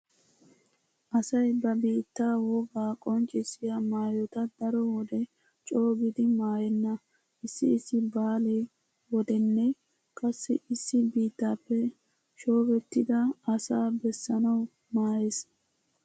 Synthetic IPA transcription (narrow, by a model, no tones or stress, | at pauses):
ʔɐsɐjbɐbiːt̪ːaːwɔɡaːkʼɔnt͡ʃʼɪsɪjɐmaːjɔt̪ɐd̪ɐɾɔwɔd̪ɛ | t͡ʃʼo̞ːɡɪd̪ɪmaːjɛnːɐ | ʔɪsːɪːsːɪbaːleː | wɔd̪ɛnːɛ | kʼɐsːɪ̰ɪsːɪbiːt̪ːaːpːɛ | ʃo̞ːɡɛt̪ːɪd̪ɐːsaːbɛsːɐnɐw | maːjes